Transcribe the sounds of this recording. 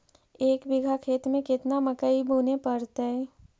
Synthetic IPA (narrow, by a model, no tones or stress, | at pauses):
eːkbɪɡʱakʰeːt̪mẽkɪt̪namɐkəibʱuːnepɐɾt̪aɦɛː